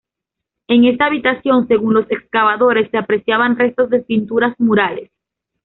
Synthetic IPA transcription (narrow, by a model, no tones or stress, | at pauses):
e̞ŋe̞st̪aːβit̪asjo̞nse̞ɣunlo̞se̞kskaβaðo̞ɾe̞sːe̞apɾe̞sjaβanre̞st̪o̞zðe̞pint̪uɾazmuɾale̞s